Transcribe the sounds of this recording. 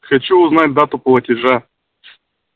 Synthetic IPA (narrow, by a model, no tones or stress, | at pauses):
xɐt͡ɕuʊznat̚ʲd̪at̪ʊplˠɐtʲɪʐa